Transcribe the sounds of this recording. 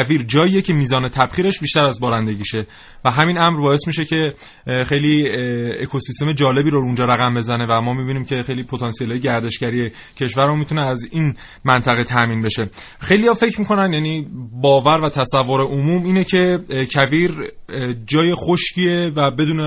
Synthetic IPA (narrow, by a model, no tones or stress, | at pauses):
viːɾd͡ʒɒːiːjecʰe̞miːzɒːne̞t̪ʰæb̥χiːɾe̞ʃbiːʃt̪æɾæzbɒːɾænd̪e̞ɟiːʃe̞ | væɦæminæmɾbɒːe̞smiʃe̞cʰe̞ | xejliːekʰo̞sist̪e̞me̞d͡ʒɒːle̞biːɾoɾund͡ʒɒːɾæɣæmbe̞zæne̞væmɒːmibiniːmcʰe̞xe̞jliːpʰot̪ʰɒnsijelɒːjeɡɟæɾd̪e̞ʃɟæɾije̞ | cʰe̞ʃvæɾumit̪ʰuneæzin | mænt̪ʰæɣe̞t̪ʰæʔmiːnbe̞ʃe̞ | xe̞jlijɒfe̞cʰɾmiːkʰo̞nænjæniːbɒːvæɾvæt̪ʰæsævːoɾe̞ʔomuːmiːnecʰe̞cʰæviːɾ | d͡ʒɒːje̞xoʃcʰievæbe̞d̪uːne